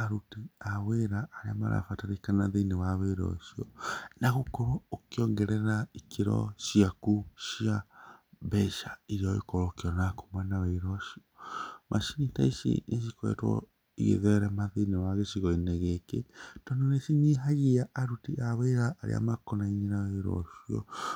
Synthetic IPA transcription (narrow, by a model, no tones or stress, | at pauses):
aɾutiaweɾaʔːɾeama̰ɾa̰fataɾekanaðenewaβeɾɔ̰ʃiɔnaɣokɔɾookiɔŋɡɛɾɛɾaikeɾɔ̰ʃiakuʃiabɛʃaiɾiɔḭkɔɾɔkiɔnako̥mwɛnaβeiɾɔʃiɔmʔaʃiɲitaiʃḭeʃ̬ikwɛ̰twɔ̰ | ḭɣḛðɛɾamaðinewaɣeʃiɣɔineɣeketɔndoneʃiɲiɦaɣiaʔːɾutiʔaweɾaʔːɾḛa̰makonaiɲinaweiɾɔ̰ʃiɔ̰